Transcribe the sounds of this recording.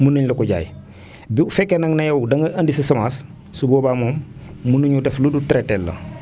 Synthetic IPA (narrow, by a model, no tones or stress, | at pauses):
munuɲlɐkuɟa̰ːj | biufɛkːenɐŋnɐjɐwdɐŋɡɐʔɐndisisɐmaːs | suboːbamoːmːunuɲudɛfludutɾetːɛlːɐ̰